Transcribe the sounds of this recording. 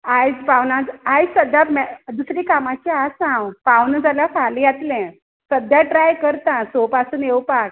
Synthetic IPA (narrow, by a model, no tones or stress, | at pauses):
ajd͡zpawnãd͡zajsəd̪ʱjamd̪usɾikamat͡ɕiasãwpawnd͡zaljafalĩat̪lɛ̃ | səd̪ʱjaʈɾajkəɾt̪ãsopasuːnewpak